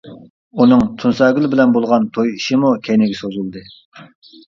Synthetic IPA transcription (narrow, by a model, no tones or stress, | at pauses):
unɨŋt̪ʰunsɑɡʲylbɪlɛnbolˠʁɑnt̪ʰojiʃimukʲʰɛjnɪɡʲɛsozulˠd̪ɨ